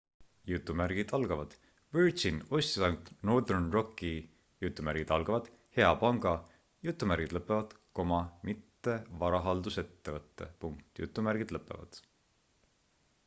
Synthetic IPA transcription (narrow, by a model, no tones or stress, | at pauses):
jut̪ːˑumæɾɡ̥id̪ɑlɡ̥ɑvɑd̪̥ | vyɹʒino̞sʲt̪isɑŋt̪no̞rd̪ernro̞kːˑi | jut̪ːˑumæɾɡ̥id̪̥ɑlɡ̥ɑvɑd̪̥ | he̞ɑpɑŋɡ̥ɑ | jut̪ˑːumæɾɡ̥id̪̥lɤpːˑe̞vɑd̪̥ | ko̞mɑmit̪ːe̞vɑɾɑɦɑld̪use̞t̪ːe̞vɤt̪ːe̞̰puŋk̚t̪jṵt̪ˑːumærɡ̥id̪̥lɤpːˑe̞̰vɑ̰d̪̥